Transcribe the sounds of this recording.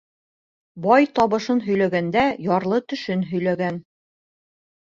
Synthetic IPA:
bɑjt̪ɒβɤ̆ʃɤnɦɵ̆jlæɡænd̪æjɒɾlˠɤt̪ɵ̆ʃɘnɦɵ̆jlæɡæn

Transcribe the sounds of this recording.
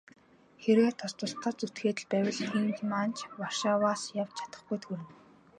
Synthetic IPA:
xeɾɣeːt̪ʰɔst̪ʊ̆ɬt̪ăːt͡sut̪xeːt̪ɘ̆ɮpæwʲɪ̆ɮxiːŋxmant͡ɕʰwarʃaːwaːsjawt͡ɕʰḁt̪ə̆χɡujt̪ʰxuɾɘ̆n

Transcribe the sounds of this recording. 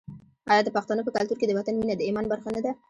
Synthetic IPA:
ɑjɑd̪əpaχt̪ɑnəpəkalt̪uɾked̪əwat̪anminad̪əemanbaɾχanad̪a

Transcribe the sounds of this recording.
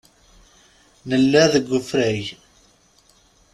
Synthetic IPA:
nəlːæðəɡʷːəfɾæj

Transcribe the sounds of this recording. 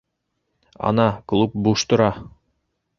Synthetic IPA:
ɒ̰nɑklˠup̚buʃt̪ŏɾɑ

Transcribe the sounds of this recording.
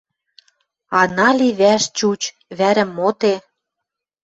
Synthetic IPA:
ɑnɑliβæʃt͡ɕut͡ɕ | βæɾə̆mːot̪e

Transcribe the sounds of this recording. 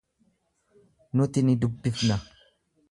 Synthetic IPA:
nʊt̪ɪnɪd̪ʊbːɪfnɐ

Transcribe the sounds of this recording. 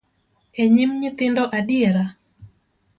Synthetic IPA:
ɛɲɪmɲɪt̪ɪndɔʔadjeɾa

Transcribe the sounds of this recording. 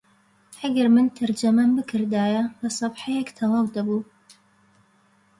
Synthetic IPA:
ʔɐɡɐɾmɨnt̪ʰɐɾd͡ʒɐmɐmbɨkʰɨɾd̪aːjɐbɐsˤɑbħajɛkt̪ʰɐlˠɑwd̪ɐbuː

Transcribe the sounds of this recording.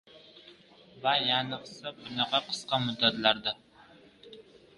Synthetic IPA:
vajɑnəqsɨbʊnɑʁɑqʰə̥sqɑmʊd̪at̪laɾd̪a

